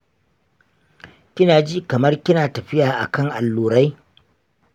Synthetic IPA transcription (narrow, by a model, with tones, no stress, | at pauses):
kʲɪ˦naː˨d͡ʒi˦kɐ˨mɐ˦rkʲɪ˦naː˨tɐ˨ɸɪ˦jaː˨ʔa̰˨kɐ˦˨ŋʔa˨lːuː˨ɾa˦j